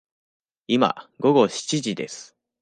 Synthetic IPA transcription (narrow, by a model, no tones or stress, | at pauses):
ima̰ɡo̞ɡo̞ɕi̥t͡ɕiʑid̪e̞̰sɨ̥